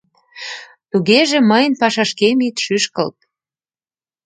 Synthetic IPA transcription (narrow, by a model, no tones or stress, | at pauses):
t̪uɣeʒĕməjə̆npɑʃɑʃkemit̪ʃyʃkə̰̆lt̪̚